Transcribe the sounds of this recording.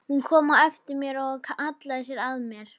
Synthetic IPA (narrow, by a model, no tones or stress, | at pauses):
hunkʰɔːmaɛft̪ɪɾmjɛɾɔɣkʰaʔat̪laðɪsjɛɾaðmjɛɾ̥